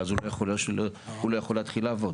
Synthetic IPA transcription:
azulojaχolʃlhulojaχolat̪χilavod

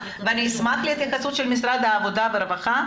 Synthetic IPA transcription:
veaniismatleit̪jaxasut̪ʃelmisɾad̪haːvo̞d̪aveɾevaχa

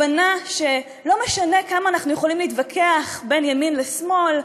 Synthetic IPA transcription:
anaʃe | lo̞meʃane̞kamaːnaχnujeχolimleiːt̪vakʰeaχbe̞njaminlesmo̞l

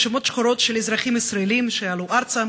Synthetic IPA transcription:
ʃemot̪ʃχoɾot̪ʃelezʁaχimisɾaelimʃealuʔaɾt͡sa

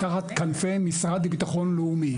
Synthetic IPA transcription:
kaχat̪kanfemisʁad̪bit̪aχo̞nleumi

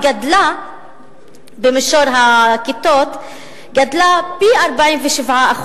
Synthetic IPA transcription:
ɡad̪la | bemeʃoɾɦakit̪ot̪ | ɡad̪lapiaɾbaimveʃivʕaaχ

